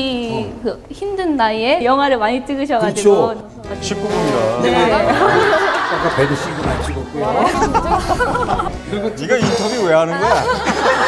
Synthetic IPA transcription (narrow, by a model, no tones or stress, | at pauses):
kɯçimdɯnːaiejʌŋɦwaɾɯɭmaɲit͈ɯɡɯɕ̬ʰʌɡat͡ɕio | t͡ɕʰip͈uɡumiɾane | ak͈apenɕ͈ʰiɡunat͡ɕʰiɡok͈u | niɡaintʰʌɡiweɦanɯnɡʌja